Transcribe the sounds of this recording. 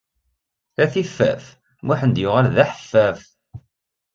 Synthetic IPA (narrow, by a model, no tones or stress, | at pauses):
æθifːæ̰f | mʊħənd̪jʊʁalðæħə̥fːæf